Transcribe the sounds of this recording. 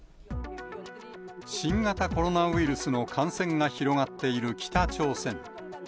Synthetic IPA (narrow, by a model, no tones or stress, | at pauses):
ɕĩŋɡat̪ako̞ɾo̞naɯ̟iɾɯ̟sɨno̞kʰãɰ̃sẽ̞ŋɡaçiɾo̞ɡat̪ːe̞iɾɯ̟kʲi̥t̪at͡ɕo̞ːsẽ̞ŋ